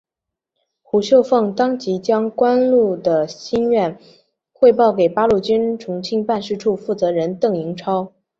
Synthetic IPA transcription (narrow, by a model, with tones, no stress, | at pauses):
xu˨˩ɕjo˥˧ʊfɤ˥˩ŋt̪ɑ˥ŋt͡ɕi˧˥t͡ɕjɑ˥ŋkwa˥nlu˥˩d̪ə˩ɕi˥nɥɛ˥˧n | xwe˥˧ɪpɑ˥˩ʊke˨˩ɪpa˥lu˥˩t͡ɕy˥nʈ͡ʂʰʊ˧˥ŋt͡ɕʰi˥˧ŋpa˥˧nʂ̬ɻ̩˥˧ʈ͡ʂʰu˥˧fu˥˩t͡sɤ˧˥ɻə˧˥nt̪ɤ˥˩ŋi˧˥ŋʈ͡ʂʰɑ˥ʊ